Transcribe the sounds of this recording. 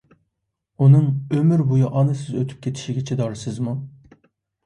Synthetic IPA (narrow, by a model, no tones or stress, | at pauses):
unɨŋømyɾbujuʔɑnɨsɪzøt̪ʰy̥p̚kʲʰet̪ʰi̥ʃiɡʲɛt͡ʃʰɛd̪ɑɾsɨzmu